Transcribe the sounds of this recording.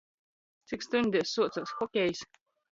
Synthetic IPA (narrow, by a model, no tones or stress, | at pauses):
t̪sikst̪unʲd̪ʲisːuɔt̪sasxɔkʲɛjs